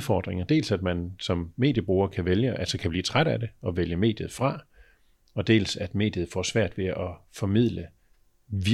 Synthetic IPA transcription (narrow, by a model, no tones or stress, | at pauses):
fɒ̰ːd̥ʁeŋɐd̥e̝̰ːlsæd̥mænsɒ̽mːe̝̰ːd̥jəb̥ʁuːɐkʰæʋeljəʔælsəkʰæb̥lḭːt͡sʰʁad̥æd̥e̝ɒ̽ʋeljəme̝̰ːd̥jð̩ˠfʁɑ̈ | ɒ̽d̥e̝̰ːlsæd̥me̝̰ːd̥jəð̞̩ˠfɒ̰sʋæɐ̰d̥ʋe̝ʔɒ̽fɒ̽mið̰ˠlə | ʋi